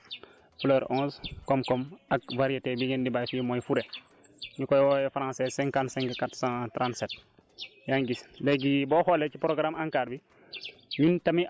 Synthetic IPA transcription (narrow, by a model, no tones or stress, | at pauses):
fløːɾɔ̃ːskɔmkɔmakvaɾijetebiɡendibajfimojfuɾe | ɲikojwɔːjɛfɾãːsesɛ̃ŋkãntsɛ̃ŋkkatsãtɾãːntset | jaːŋɡisleɡiboxolet͡ʃipɾoɡɾamaŋkaːɾbi | ɲuntɐmi